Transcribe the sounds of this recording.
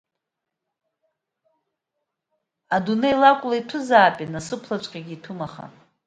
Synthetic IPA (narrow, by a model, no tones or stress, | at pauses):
adunejlakʷʼlaitʷʰʊzaːpʼinasɨpʰlat͡ʃʷʼqʲʼaɡʲiːtʰumaχa̰